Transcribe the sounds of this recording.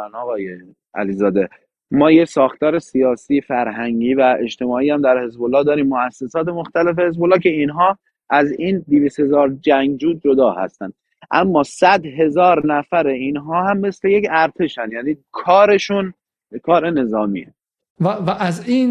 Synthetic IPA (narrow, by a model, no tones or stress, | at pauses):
nɒːɣɒːje | æ̰lizɒːd̪e̞ | mɒːjesɒːxt̪ɒːɾe̞sijɒːsiːfæɾɦæŋɟiːvæe̞ʃt̪e̞mɒːiːæmd̪æɾhe̞zbolːɒːhd̪ɒːɾiːmːoæsːe̞sɒːt̪e̞moxt̪æle̞fe̞he̞zbolːɒːkcʰe̞inɦɒː | ʔæziːnd̪iviːst̪he̞zɒːɾd͡ʒæŋɡd͡ʒuːd͡ʒod̪ɒːhæ̰st̪ænd̪ | ʔæmːɒːsæd̪ɦe̞zɒːɾnæfæɾe̞iːnɦɒːhæmːe̞sle̞je̞cæɾt̪ʰe̞ʃænjæːniːkʰɒːɾe̞ʃun | kʰɒːɾe̞ne̞zɒːmḭːe | vvæʔæziːn